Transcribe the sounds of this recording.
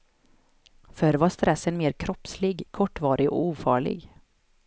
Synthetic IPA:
fœɾvaʂt̪ɾʔɛsːənmeːɾkʰɾɔpslɪɡkʰɔʈːvɑːɾɪɔ̰uːfɑːɭɪ̰ɡ

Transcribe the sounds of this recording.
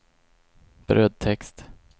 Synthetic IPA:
b̥ɾʔœːd̪̚t̪ʰɛkst̪

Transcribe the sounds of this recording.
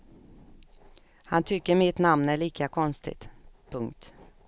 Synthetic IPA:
hant̪ʰʏkːəɾmɪt̪namnæɭiːkakʰɔnst̪ɪ̰t̪pʰɵŋkt̪

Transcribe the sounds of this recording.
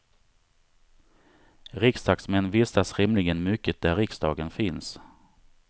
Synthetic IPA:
ɾɪksd̪ɑːksmɛnːvɪsasɾɪmlɪɡənmʏkːət̪̚d̪æɾɪksd̪ɑ̰ːɡənfɪns

